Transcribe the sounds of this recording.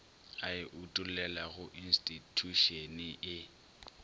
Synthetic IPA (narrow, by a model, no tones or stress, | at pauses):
aɪʔutʼulɛlaɣʊʔin̩stʼitʰuʃeniʔɪ